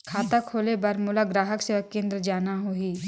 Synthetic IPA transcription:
kʰaːt̪akʰoːlebɐɾmʊlaɡɾaːɦəkseːʋəkːẽːnd̪ɾəd͡ʒaːnaɦoːiː

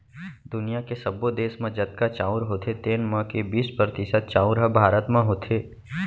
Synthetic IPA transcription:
d̪ʊnijakesəbod̪eːsmẽd͡ʒət̪̚kat͡ʃaːʊɾɦoːt̪ʰet̪eːnmə̃kebiːspɾət̪ɪsəd̪̚t͡ʃaːʊɾɦəbʱaːɾət̪mãɦoːt̪ʰeː

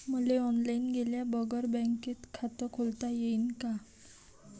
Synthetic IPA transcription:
məleɔnlainɡeljabəɡəɾbə̃ŋket̪kʰat̪əkʰolt̪ajeinka

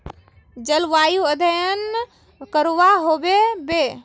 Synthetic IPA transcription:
d͡ʒəlʋajuəd̪ʱəjən | kəɾʋaɦobebe

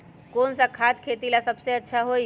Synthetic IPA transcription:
konsakʰad̪kʰet̪ilasəbseətːʃʰaɦoj

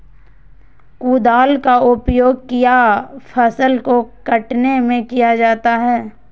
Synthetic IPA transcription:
kuːd̪aːlkaʊpjoːɡ̚kijapʰɐsəlkokɐʈnemẽkijad͡ʒaːt̪aɦɛː

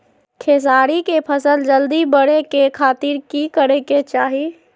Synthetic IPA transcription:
kʰeːs̬aːɾikepʰəsəld͡ʒəld̪ibəɽekekʰaːt̪iɾkikəɾeket͡ʃaːɦi

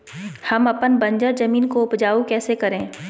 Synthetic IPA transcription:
hɐmɐpənbɐ̃ɲd͡ʒəɾzɐmiːnkoʊpd͡ʒaːukɛːsekɐɾẽː

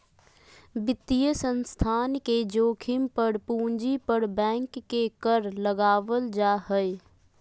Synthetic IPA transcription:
bɪt̪ːijəsə̃nst̪ʰaːnked͡ʒoːkʰɪmpəɾpuːɲd͡ʒipəɾbɛ̃ːŋkːekəɾləɡaːʋəld͡ʒaːɦəj

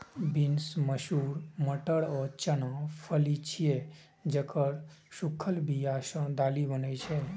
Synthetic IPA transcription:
binsməʃuːɾməʈəɽɔːɾt͡ʃənãpʰəlit͡ʃʰije | d͡ʒəkəɾ | ʃukʰːəlbʱiaːʃə̃d̪aːlibənət͡ʃʰɛ

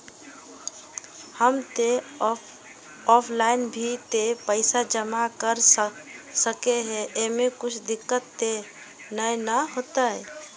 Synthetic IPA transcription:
həmt̪e | ɔpʰlaɪnbʱit̪epəɪsad͡ʒəmakəɾ | səkeɦɛʔemekʊt͡ʃʰd̪ɪkːət̪ːe | nəjnəɦot̪aɛ

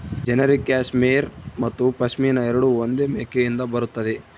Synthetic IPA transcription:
d͡ʒɛnɐɾikːjaːsmeːɾmɐt̪ːupɐsmiːnɐɛɾɐɽuond̪eːmeːkejind̪ɐbɐɾut̪ːɐd̪e

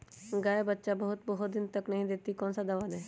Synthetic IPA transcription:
ɡaːebətːʃabəɦʊt̪̚bɐɦʊt̪̚d̪ɪnt̪əknɐɦĩd̪eːt̪ikɔ̃ːnsad̪ɐʋaːdɛː

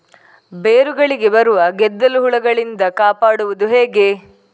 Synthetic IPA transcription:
beːɾuɡɐɭiɡe̞bɐɾuʋɐɡɛd̪ːɐluɦuɭɐɡɐɭind̪ɐkaːpaːɽuʋɐd̪uɦe̞ːɡe̞

